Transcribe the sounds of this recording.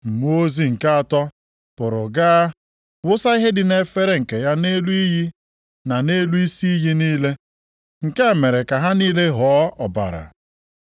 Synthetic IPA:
m̩˨mu˦o˦zi˦ŋ̩˨ka˦a˨tɔ˦ | pʊ˨ɾʊ˨ɡa˦ | wʊ˦sa˦i˦ɦe˦dɪ˨ne˨fe˦ɾe˦ŋ̩˨ke˨ja˦ne˦lu˦i˦ɦi˦ | na˨ne˦lu˦i˦si˦i˦ɦi˦niː˦le˦ | ŋ̩˨ke˦˨me˨ɾe˨ka˨ɦa˦niː˦le˦ɦɔ˨˦ɔ˨ba̰˨ɾa̰˨

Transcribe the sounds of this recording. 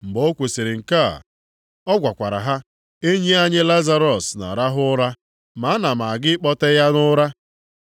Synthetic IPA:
m̩˨bo˦kʷe˨se˨ɾɪ˨ŋ̩˨ka̰˦˨ | ɔ˦ɡʷa˨kʷa˨ɾa̰˨ɦa˦ | e˦ɲe˦a˦ɲɪ˦la˦za˦ɾɔ˨sna̰˨ɾa˦ɦʊ˦ɾa˦ | ma˨˦na˨ma˨a˨ɡɪ˦k͡pɔ˦te˦ja˦nʊ˦ɾa˦

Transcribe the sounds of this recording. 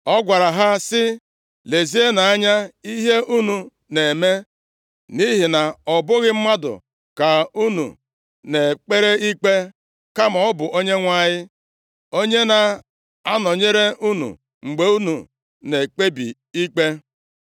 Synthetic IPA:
ɔ˦ɡʷa˨ɾa˨ɦa˦sɪ˦ | le˨zi˦e˦na˨a˦ɲa˦i˦ɦe˦ʔu˦nu˨ | ne˨me˦ | ni˦ɦi˨na˨ɔ˨bʊ˦ɣɪ˦m̩˦ma˦dʊ̰˨ | ka˨u˦nṵ˨ | ne˨k͡pe˦ɾe˦i˦k͡pe˦ | ka˦ma˨ɔ˦bʊ˨ʔo˦ɲe˦ŋʷa˦˨ɲɪ˦ | o˦ɲe˦na˨ | a˦nɔ˨ɲe˦ɾe˦ʔu˦nṵ˨ | ŋ͡m̩˨ɡ͡be˨˦u˦nṵ˨ | ne˨k͡pe˦bḭ˨ | i˦k͡pe˦

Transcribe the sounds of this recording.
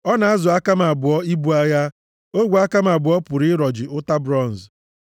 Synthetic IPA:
ɔ˦na˨a˦zʊ˨a˦ka˦ma˨bʊ˨ɔ˦i˦bu˦a˦ja˦ | o˦ɡʷu˨a˦ka˦m˦a˨bʊ˨ɔ˦pʊ˨ɾɪ˦ɾɔ˨d͡ʒɪ˨ʊ˦ta˦bɾɔ˦˨n̩˨z

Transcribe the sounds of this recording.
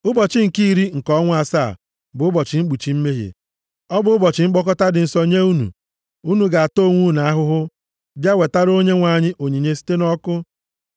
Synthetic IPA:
ʊ˦bɔ˨t͡ʃɪ˦ŋ̩˨ki˦˨ɾi˦ŋ̩˨kɔ˦ŋʷ˦a˨sa̰˦˨ | bʊ˨ʊ˦bɔ˨t͡ʃɪ˨ŋ͡m̩˦ɡ͡bu˨t͡ʃi˨m̩˦me˦ɦḛ˨ | ɔ˦bʊ˨ʊ˦bɔ˨t͡ʃɪ˨ŋ͡m̩˦ɡ͡bɔ˦kɔ˦ta˦dɪ˨n̩˨sɔ˨ɲe˦u˦nṵ˨ | u˦nu˨ɡa˨a˨to˦˨ŋʷu˦˨na˨a˦ɦʊ˦ɦʊ˦ | bja˦we˨ta˦ɾo˦ɲe˦ŋʷa˨ɲɪ˦ʔo˨ɲi˨ɲe˦si̥˦te˦nɔ˦kʊ˦

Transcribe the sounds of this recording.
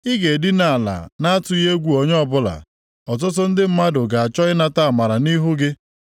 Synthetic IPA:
ɪ˦ɡe˨di˦na˨a˨la̰˨na˦a˦tʊ˦e˦ɡʷu˨o˨ɲ˦ɔ˦bʊ˦la̰˨ | ɔ˨t̬ʊ˦t̬ʊ˦n̩˦dɪ˦m̩˦ma˦dʊ˨ɡa˨a˨t͡ʃɔ˦ɪ˦na˦ta˦a˨ma˨ɾa˨ni˦ɦu˦ɡɪ˦

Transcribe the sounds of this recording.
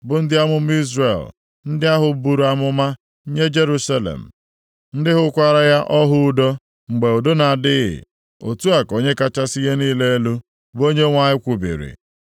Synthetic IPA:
bʊ˨n̩˦dɪ˦a˦mʊ˦m̩˦i˦zrḛ˨l | n̩˦dɪ˦a˦ɦʊ˨bu˨ɾu˨˦a˦mʊ˦ma˦ | ɲe˦d͡ʒe˦ɾu˦sa˦lḛ˨m̩˨ | n̩˦dɪ˦ɦʊ˦kʷa˦ɾa˦ja˦ʔɔ˦ɦʊ˦˨do˦ | ŋ͡m̩˨ɡ͡be˨o˨do˦na˨dɪ˦ɣɪ̰˨ | o̰˨tu˦a˨ko˨ɲe˦ka˦t͡ʃa˦si˦ɣe˦niː˦le˦e˦lu˦ | bo˦ɲe˦ŋʷa˦ɲɪ˦kʷu˨bḭ˨ɾḭ˨

